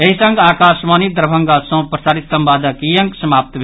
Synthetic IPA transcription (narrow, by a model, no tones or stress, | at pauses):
eɦisɐŋɡaːkaːʃmaːnid̪ɾbʱɐ̃ŋɡasõːpɾɐsaːɾit̪sɐmbaːd̪ʱɐkijɐ̃ŋksɐmaːp̚t̪bʱ